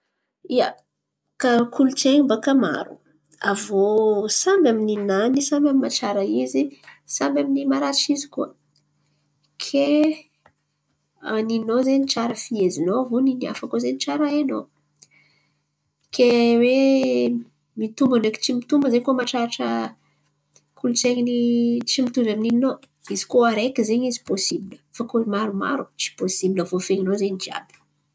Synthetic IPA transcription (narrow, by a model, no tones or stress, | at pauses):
ia | kakʰulut͡ʃeɲimbakama̰ɾṵ | a̰vosambʲamininanisambʲamimaʈ͡ʂaɾaizisambʲaminimaɾat͡ʃizi̥kuə | kʰe | aninozeniʈ͡ʂaɾəfiezinoavoninia̰fakozeniʈ͡ʂaɾaeno | kʰewe | mit̪umbaneki̥t͡simit̪umbəzejkuəmaʈ͡ʂaʈ͡ʂə̰ | kʰulut͡seɲinit͡simit̪uvamininino | iz̥i̥koaɾekizeɲizi̥posibilə̥fakoimaɾuma̰ɾut͡si̥posibiləvofeŋinozeɲid͡ʒia̰bi̥